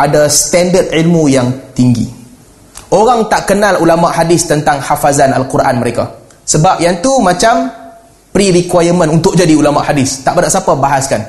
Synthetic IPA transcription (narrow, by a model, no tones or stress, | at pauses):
ʔadast̪ɛndət̪̚ilmujaŋt̪iŋɡḭ | ʔoɾaŋt̪aʔkənãlulamaʔhadɪst̪ənt̪aŋhafazanalkuɾʔa̰nməɾeka̰ | səbap̚jant̪umãt͡ʃam | pɾiɾikwajəmə̃nunt̪ʊk̚d͡ʒadiulamaʔhadɪst̪aʔbədaʔsapabaɦaskan